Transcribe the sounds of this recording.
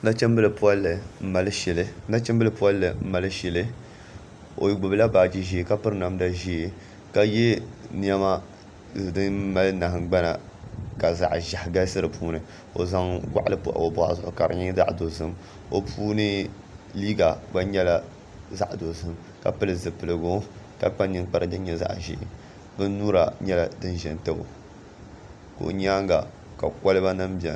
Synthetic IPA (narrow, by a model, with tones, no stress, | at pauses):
da˦t͡ʃɛ˦m˦bɨ˦lɨ˨pu˦a˦lːɨ˨m̩˦ma˨lɨ˦ʃɛ˨lɨ˦na˦t͡ʃɛ˦mbɨ˦lɨ˨pu˦a˦lːɨ˨m̩˦ma˨lɨ˦ʃɛ˨lɨ˦ | o̰˨ji˨˦ɡ͡bʊ˨bɨ˦la˦baː˨d͡ʒi˦ʒi˦e˨ka˦pɨ˦ɾna˨mda˨ʒi˦e˨ | ka˦je˦ni˦ɛ˦ma˦ | zɨ˨dɨ˦n˦ma˦lɨ˦na˨hɨ˨ŋ˦ɡ͡ba˦na̰˨ | ka˨za̰˨ʔʒa˨hɡa˦sɨ˦ɾɨ˨puː˦nɨ˨ | o̰˨za˦ŋɡa̰˦ʔa˦lɨ˦pṵ˦ʔa̰˨o˨bʊ˦ha̰˨zʊ˦˨ʔʊ˨ka˨ɾɨ̰˨ɲi˦za̰˦ʔdo˨zɨ˦m | o˨pʰuː˦nɨ˦ | liː˦ɡa˨ba˦ɲɛ˦la˨ | za˦ʔdo˨zɨ˦m | ka̰˨pɨ˦lɨ˨zɨ˨pɨ˨lɨ˨ɡo˦ | ka˨k͡pa˦ni˦k͡pa˦ɾɨ˦dɨ˦ɲɛ˨za̰˦˨ʔʒɪ̰˦ʔɪ̰˨ | bɨ˦n˦nuː˦ɾa˨ɲɛ˦la˨dɨ˦n˦ʒɛ˨n˦tɨ˦bo̰˨ | ko̰˨ɲ˦aː˦ŋɡa˨ | ka˨ka˦lɨ˦ba˦na˦mbi˨ɛ̰˨